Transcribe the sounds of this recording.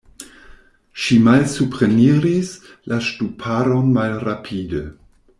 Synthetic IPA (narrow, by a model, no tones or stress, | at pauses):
ʃimalsupɾeniɾis | laʃtupʰaɾonmalrapʰide